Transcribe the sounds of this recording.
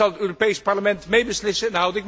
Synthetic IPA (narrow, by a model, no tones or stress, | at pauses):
ɑlˠətøːropejspɑɹləmɛntmejbəslɪsənɦəwdɪk